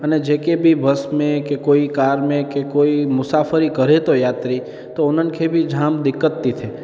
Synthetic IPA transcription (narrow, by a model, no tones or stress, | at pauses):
əned͡ʒekebʱibəsmẽkekoikaɾmẽkekoimʊsafəɾikəɾet̪ojat̪ɾi | t̪oonənkʰebʱid͡ʒʱamd̪ɪkːət̪ːit̪ʰe